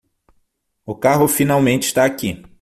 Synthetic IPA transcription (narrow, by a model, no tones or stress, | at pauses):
ʊkaɦʊfinawmẽnt͡ʃɪ̥st̪aːki